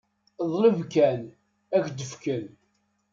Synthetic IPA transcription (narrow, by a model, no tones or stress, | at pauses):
ðˤləvkæn | ækd̪əfkən